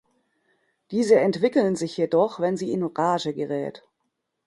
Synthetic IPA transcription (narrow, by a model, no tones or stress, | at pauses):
d̥iːzəɛntv̥ɪkl̩nzɪçjedɔχvɛnziːɪnoʁaːʒəɡəʁɛ̰ːt